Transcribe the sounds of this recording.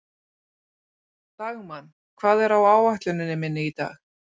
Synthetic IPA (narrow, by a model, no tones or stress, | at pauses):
t̪aɣmanː | kʰvaːðɛɾawaːwaht̪lʏnːɪnːɪmɪnːɪit̪a̰ːx